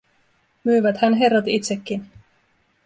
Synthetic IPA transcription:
myːʋæt̪hænɦe̞rːɑt̪it̪sekːin

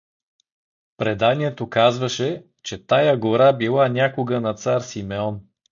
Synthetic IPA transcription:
pɾɛd̪aniɛt̪okazvəʃɛ | t͡ʃɛt̪ajaɡoɾabilˠanʲakoɡənɐt̪saɾsimɛɔn

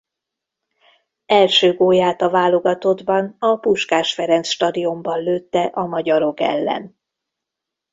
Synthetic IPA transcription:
ɛlʃøːɡoːjaːt̪ɒvaːlo̞ɡɒt̪o̞d̪bɒnɒpuʃkaːʃfɛɾɛnt̪sʃt̪ɒd̪io̞mbɒnløːt̪ːɛʔɒmɒɟɒɾo̞kɛ̰lːɛ̰n

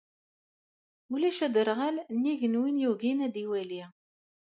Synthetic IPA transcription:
ulæʃæd̪əɾʁælnːiʝənwinjuɣinæd̪iwæli

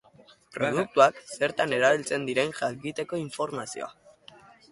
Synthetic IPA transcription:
pɾoðuk̚t̪uakse̞ɾt̪ane̞ɾaβ̞ilt͡se̞nd̪iɾe̞nʝakit̪e̞ko̞iɱfo̞ɾmasio̰a

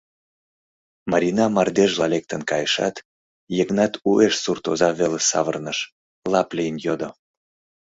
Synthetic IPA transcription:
mɑɾʲinɑmɑrd̪eʒlɑlek̚t̪ənkɑjəʃɑ̰t̪ | jeɡnɑt̪ueʃsurt̪ozɑβelesɑ̰βə̰rnəʃ | lɑplʲijənjod̪o

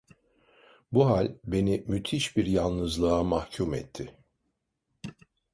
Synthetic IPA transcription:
buɦalʲbe̞nimyt̪ʰiʃbiɾjalˠnɯzlˠɯamahcʰumɛ̰t̪ʰːɪ

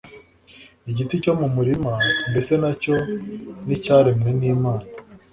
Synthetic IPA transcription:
iɟitico̞mumuɾimande̞se̞naco̞nicaːɾemneniːmaːna

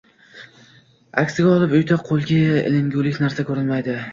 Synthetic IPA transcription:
a̰kʲsɪɡʲaɒlˠɪpʊjt̪ʰaqʰolˠɡʲaḛlɪŋɡʲulɪkʲnaɾsakʰɵɾɪlmajd̪ɪ

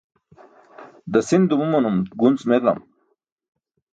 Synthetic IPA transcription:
d̪ɐsind̪umumɐnumɡunsmet̪lɐ̰m

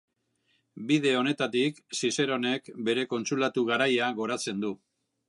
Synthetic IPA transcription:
bið̞e̞o̞ne̞t̪at̪iksise̞ɾo̞ne̞kbe̞ɾe̞ko̞nt͡sulat̪uɣaɾajaɣo̞ɾat͡se̞nd̪u

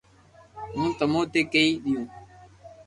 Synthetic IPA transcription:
mũːt̪əmõːt̪eːkəiːɗɪjũː

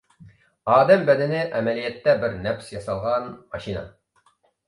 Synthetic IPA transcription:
ɑːd̪ɛmbɛd̪ɪnɪʔɛmɛlijɛt̪ːɛbɪɾnɛpsjɑsɑlˠʁɑnmɑʃinɑ̰

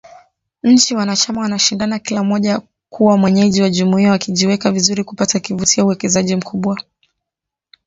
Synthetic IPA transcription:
ɲ̩t͡ʃiwanat͡ʃamawanaʃindanakilamɔʄa | kuwamwɛɲɛʄiwaʄumuiawakiʄiwɛkavizuɾiku̥patakivutiauwɛkɛzaʄim̩kʰuɓwa

